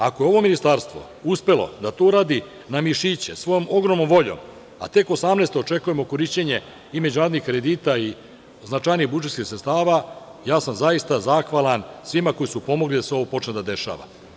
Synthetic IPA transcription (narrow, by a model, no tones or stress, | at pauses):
ako̞je̞o̞ʋo̞minist̪aɾst̪ʋo̞̰ | uspe̞lo̞̰d̪at̪ouɾaːd̪i | namiʃit͡ɕḛsʋo̞jo̞mo̞ɡɾomnomʋo̞ʎo̰m | a̰t̪e̞ko̞samneːst̪oːt͡ʃe̞kuje̞mo̞ko̞ɾiʃt͡ɕeɲe̞ | ime̞d͡ʑunaɾd̪nixkɾe̞d̪iːt̪ai | znat͡ʃajniɣbud͡ʒet̪kisɾet̪t̪aːʋajaːsamzajist̪azaxʋalansʋimako̞jisupo̞moɡlid̪aseo̞ʋopo̞t͡ʃned̪ad̪e̞ʃa̰ʋa̰